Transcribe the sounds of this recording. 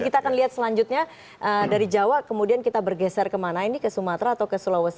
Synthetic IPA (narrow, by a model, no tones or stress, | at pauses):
kit̪aːkanliɦat̪səlaɲd͡ʒʊt̪̚ɲa | ʔədaɾid͡ʒawaʔkəmudiankit̪abərɡɛsɛrkəmanainikəsumat̪ɾaːt̪awkəsulawəs